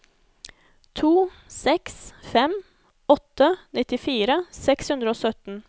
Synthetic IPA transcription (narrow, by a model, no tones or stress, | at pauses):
t̪ʰuː | sɛksfɛm | ɔt̪ːənɪt̪ɪfiːɾəsɛkshʉnd̪ɾəoːsœt̪n̩